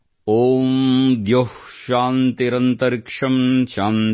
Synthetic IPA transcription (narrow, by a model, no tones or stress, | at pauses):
oːmd̪johʃaːnt̪iɾɐnt̪ɐɾkʂɐmʃaːn